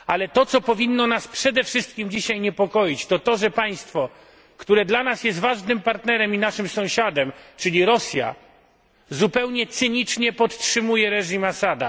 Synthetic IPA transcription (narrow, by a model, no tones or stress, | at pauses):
alɛt̪ɔt̪sɔpɔvʲinːɔnaspʂɛd̪ɛfʂɘst̪kʲimd͡ʑiɕajɲɛpɔkɔjit͡ɕt̪ɔt̪ɔʐɛpaj̃st̪fɔ | kt̪uɾɛd̪lanasjɛst̪vaʐnɘmpaɾt̪nɛɾɛminaʂɘmsɔ̃w̃ɕad̪ɛmt͡ʂɘlʲiɾɔsʲja̰ | zupɛwɲɛt̪sɘɲit͡ʂɲɛpɔt̪tʂɘmujɛɾɛʐimasad̪a̰